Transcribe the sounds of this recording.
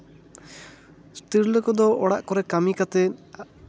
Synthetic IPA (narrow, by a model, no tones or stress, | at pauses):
st̪iɾlokɔd̪ɔʔɔɽa̰ʔkɔɾɛkamikat̪ɛ